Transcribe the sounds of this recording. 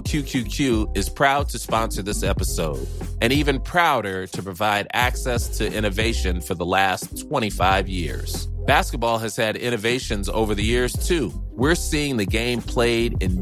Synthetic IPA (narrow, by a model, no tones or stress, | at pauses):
kʰj̥ʉkʰj̥ʉkʰj̥ʉɨz̥pʰɹ̥aʊd̚tʰɨspɑ̃nsə˞ðɪsɛpəsoʊɾɨ̃ñivɨ̃npʰɹ̥aʊɾə˞ɾɨpɹ̥ɨvaɪɾæksɛstʰɨʔɪ̃ɾ̃ɨveɪʃɨ̃nfə˞ðəlæstʰw̥ɛ̃ɾ̃ifaɪvjɪ̰ɹz̥b̥æskət̚b̥ɔlˠɨz̥ɨɾɪ̃ɾ̃ɨveɪʃɨ̃nzo̰ʊvə˞ðɨjɪɹz̥tʰʉwɪɹsiɪ̃ŋðɨɡẽɪ̃mpʰl̥eɪɾɪ̃n